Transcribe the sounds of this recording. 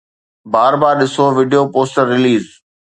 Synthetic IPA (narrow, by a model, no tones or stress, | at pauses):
baːɾbaːɾɗɪsoʋɪɖijopoːsʈəɾːɪliːz